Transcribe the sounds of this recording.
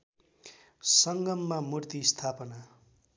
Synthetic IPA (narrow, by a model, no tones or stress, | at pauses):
sʌŋɡʌmːamurt̪ist̪ʰapʌna